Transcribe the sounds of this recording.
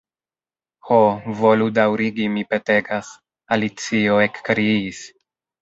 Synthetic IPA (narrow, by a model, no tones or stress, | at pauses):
hovo̞ludawɾiɡimipe̞te̞ɡas | alit͡sioekːɾiiis